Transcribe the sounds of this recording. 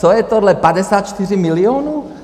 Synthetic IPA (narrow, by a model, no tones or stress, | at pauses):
ɔjɛt̪ɔd̪lɛpaɟɛsaːt̪t͡ʃt̪iɾimiliɔːnu